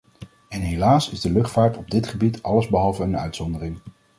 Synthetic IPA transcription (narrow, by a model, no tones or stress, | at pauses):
ɛnɦelaːsɪzdəlɵχtfaːɹtɔb̚dɪtχəbitɑləzbəɦɑlˠvəənœ̰ɥtsɔndərɪŋ